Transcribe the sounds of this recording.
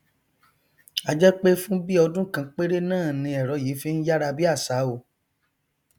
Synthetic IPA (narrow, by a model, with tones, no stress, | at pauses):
a˧d͡ʒɛ˦k͡pe˦fũ˦bi˦ɔ˧dũ˦kã˧k͡pe˦ɾe˦nãː˦˨nĩ˧ɛ˨ɾɔ˨˦jiː˨˦fi˦n̩˦ja˦ɾa˧bi˦a˦˨sa˨˦o˧˨